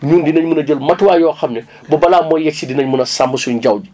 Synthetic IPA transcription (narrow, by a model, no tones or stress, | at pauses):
ɲuːndinɐɲmunɐd͡ʒəlmɐtwaːjɔːxɐmnɐ | bɐbɐlaːmɔjjɛsidinɐɲmunɐsambɐsuɟɐwdi